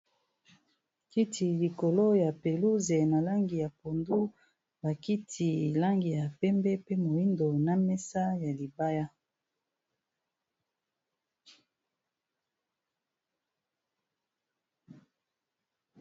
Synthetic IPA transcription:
ki˦tʰi˨li˨ko˨lo˦ja˨pe˨lu˦ze˨na˨la˦ŋɡi˨ja˨po˨ndu˦ | ba˨ki˦tʰi˨la˦ŋɡi˨ja˨pɛ˦mbɛ˦pe˦mo˨ji˦ndo˨na˦mɛ˦sa˦ja˨li˨ba˦ja˦

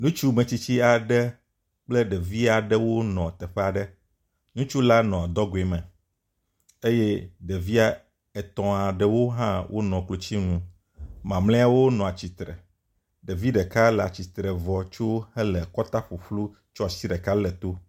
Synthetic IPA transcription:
nũ˦t͡ʃu˦mɛ̃˨t͡ɕi˦t͡ɕi˦a˨ɖɛ˦ | k͡plɛ˦ɖɛ˨vi˦a˨ɖɛ˦wo˦nɔ̃˨t̪ɛ˨ɸɛ˦a˨ɖɛ˦ | nũ˦t͡ʃu˦la˦nɔ̃˨d̪ɔ˦ɡo˨e˨mɛ̃˨ | e˦jɛ˦ɖɛ˨vi˦a˦ | ɛ˨t̪ɔ̃˨a˨ɖɛ˨wo˦ɦã˦wʔo̰˦nɔ̃˨klo˨t͡ɕi˦ŋũ˨ | mã˨mlɛ̃˦a˦wo˦nɔ̃˨a˨t͡ɕi˨t̪ɾɛ̰˨ | ɖe˨vi˦ɖɛ˨ka˦lɛ˨a˨t͡ɕi˨t̪ɾɛ˨vɔ˨t͡ʃo˦hɛ˦lɛ˨kɔ˦t̪a˦ɸu˨ɸlu˦ | t͡ʃo˦a˨si˦ɖɛ˨ka˦lɛ˨t̪o˦

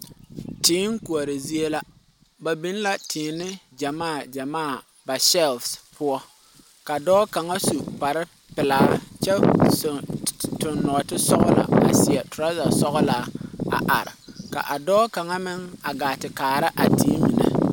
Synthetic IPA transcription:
tiː˨˦ŋku˨a˨ɾɪ˨zi˦e˦la˦ | ba˨bi˦n˦la˦tʰɪː˨nɪ˦d͡ʒa˨maː˦˨d͡ʒa˨maː˦˨ | ba˨sɛ˦˨lfspʰʊ˦ɔ˦ | ka˨dɔː˦ka˨ŋa˦su˨pa˨ɾɪ˦ | pɪ˨laː˨˦t͡ʃɛ˦˨ | tʊ˨nːɔ˨tɪ˦sɔ˦ɣʊ˦la̰˨a̰˨sɪ˨ɛ˨tʊ˨ɾa˦za˨sɔ˦ɣʊ˦la˨˦a̰˨ʔa˨ɾɪ̰˨ka̰˨ʔa˨dɔː˦ka˨ŋa˦mɪ˦ŋa˨ɡaː˨tɪ˨kaː˨ɾɪ˦ʔa˨tiː˦mi˨na̰˨

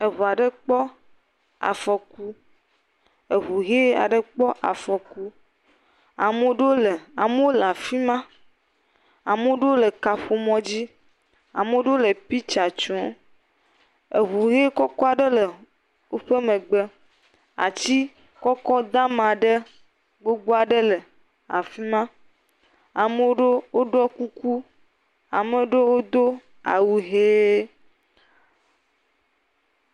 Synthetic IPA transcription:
e˨βo˨a˨ɖə˦k͡pɔ˦ | a̰˨fɔ˨ku˦ | e˨ɦu˨ɣe˦a̰˨ɖə˨k͡pɔ˦ʔa̰˨fɔ˨ku˦ | a̰˨me˦wo˦ɖe˦wo˦lə˨a˨me˦wo˦la˨fi˦mã˦ | a˨m˦o˦ɖwo˦lə˨ka˨ɸo˨mɔ̃˦d͡ʑi˦ | a̰˨me˦o˦ɖə˦o˦lə˨pi˦t͡ʃa˨t͡ʃɔ̃˦ | e˨βu˨ɣe˦kɔ˦kɔ˦a˨ɖə˦lə˨ | wo˦ɸe˦mẽ˨ɡ͡be˦ | a̰˨t͡ɕi˦ | kɔ˦kɔ˦d̪a˦mã˨ɖe˦ | ɡ͡bo˦ɡ͡bo˦a˨ɖe˦le˨ | a̰˨fi˦mã˦ | a˨me˦wo˦ɖe˦wo˦ɖɔ˦ku˦ku˦ | a̰˨me˦ɖe˦wo˦d̪o˦ | a̰˨wu˨ɦe˦

